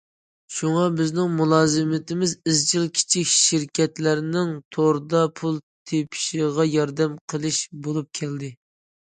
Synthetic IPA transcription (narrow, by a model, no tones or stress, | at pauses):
ʃuŋɑbɪznɪŋmulˠɑːzɨmɪt̪ɪmɪzɪzt͡ʃʰɪlkʲʰi̥t͡ʃʰikʲʃɪɾkʲʰɛt̪læɾnɪŋt̪ʰoɾd̪ɑpʰulˠt̪ʰepʰɪ̥ʃiʁɑjɑɾd̪ɛmqʰəlˠɪʃbolˠup̚kʲʰɛld̪ɪ